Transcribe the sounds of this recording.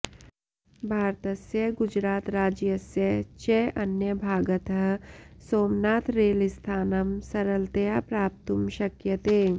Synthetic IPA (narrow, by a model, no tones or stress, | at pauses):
bʱaːɾt̪ɐsjɐɡʊd͡ʒɾaːt̪ɾaːd͡ʒjɐsjɐt͡ʃeʔɐnjəbʱaːɡət̪ɐɦsoːmnaːt̪ʰɾeːlist̪ʰaːnɐmsɐɾəlt̪ɐjapɾaːp̚t̪umʃɐkjɐt̪eː